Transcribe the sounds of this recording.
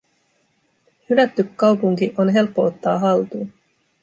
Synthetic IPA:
hylæt̪ːykːɑwpuŋkiʔo̞nɦe̞lpːo̞ot̪ːɑːɦɑlt̪uː

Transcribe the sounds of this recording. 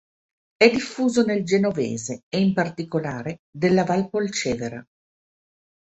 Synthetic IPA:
ɛd̪ifːuːzoneld͡ʒenovḛːzeːimpart̪ikolaːɾed̪elːavalpolt͡ʃɛːveɾa

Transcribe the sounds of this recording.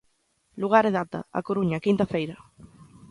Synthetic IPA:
luɣ̞aɾeðat̪a̰a̰koɾuɲakint̪afejɾɐ

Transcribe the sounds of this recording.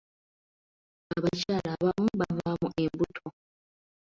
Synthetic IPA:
aβacaːlaːβamuβavamuʔe̞mbutʰo

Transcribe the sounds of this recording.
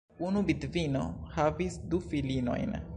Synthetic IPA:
unubidvino̰havisdufilino̞̰jn

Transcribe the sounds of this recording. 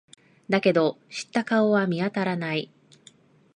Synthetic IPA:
d̪ake̞d̪o̞ɕi̥t̪ːakao̞βamʲiat̪aɾanai

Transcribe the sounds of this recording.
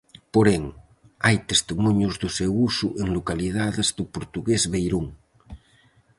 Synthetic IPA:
poɾeŋ | ajt̪est̪imuɲjuzðusewusuʔeŋlokalið̞aðezðupoɾt̪uɣezβejɾuŋ

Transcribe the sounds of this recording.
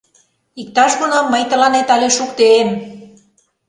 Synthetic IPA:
ik̚t̪ɑʃɣonomːəjt̪ə̆lɑnet̪ɑlʲeʃukt̪eːm

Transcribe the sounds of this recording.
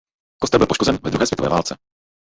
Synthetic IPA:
kost̪ɛlbɪlpoʃkozɛnvɛdɾuɦɛːsvjɛt̪ovɛ̰ːva̰ːlt͡sɛ

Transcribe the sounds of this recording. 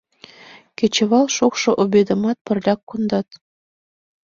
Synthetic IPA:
ket͡ɕĕβɑlʃokʃɤ̆ʔobed̪ə̆mɑt̪̚pə̆rlʲɑkːund̪ɑt̪

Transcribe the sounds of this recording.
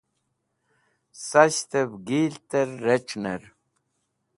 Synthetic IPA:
saɕt̪ebɡiːlt̪eɾːeʈ͡ʂneɾ

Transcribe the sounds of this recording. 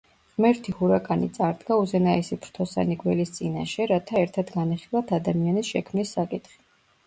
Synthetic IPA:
ʁmɛɾt̪ʰihuɾakʼanḭt̪sʼaɾd̪ɡauzɛnaɛsipʰɾt̪ʰɔsa̰niɡwɛlist̪sʼina̰ʃɛɾat̪ʰaɛɾt̪ʰad̪ɡaniχilˠat̪ʰad̪amianisʃɛkʰmnisːakʼit̪χi̥

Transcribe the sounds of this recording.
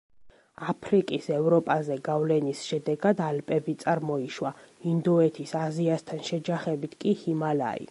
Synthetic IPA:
apʰɾikʼisɛvɾɔpʼazɛɡavlɛnisʃɛd̪ɛɡad̪alpʼɛbit̪sʼaɾmɔiʃwaind̪ɔɛt̪ʰisaziast̪ʰanʃɛd͡ʒaχɛbit̪ʰkʼihimala̰ḭ

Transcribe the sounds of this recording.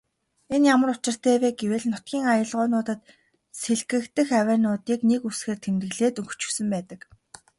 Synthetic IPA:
enjamə̆rʊt͡ɕɪ̆r̥t̪ʰæːweːɡeweːɮnʊt̪̚ɡʲiːŋajə̆ɮʁʊːnʊːt̪ə̆t̪ | seɮɡɘ̆kt̪ɘ̆xæwæːnʊːt̪iːknekusxeːrt̪ʰemt̪ɘ̆ɮeːt̪ɵŋɡɵ̥̆t͡ɕɵ̥̆wsɘ̆mpæːt̪ə̆k

